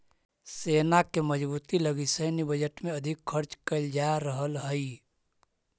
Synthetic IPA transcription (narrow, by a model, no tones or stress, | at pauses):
seːnakeməd͡ʒbuːt̪iləɡisəjnibəd͡ʒəʈmẽəd̪ʱɪkʰːəɾt͡ʃkəld͡ʒaɾəɦəlɦəi